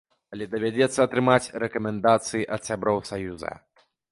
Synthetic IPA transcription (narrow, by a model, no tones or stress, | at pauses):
ɐlʲɛd̪ɐvʲad͡zʲɛt̪sːɐːt̪ɾɨmat͡sʲrɛkɐmʲɛnd̪at̪sɨjiʔɐt̪sʲabɾɔwsajuzɐ̰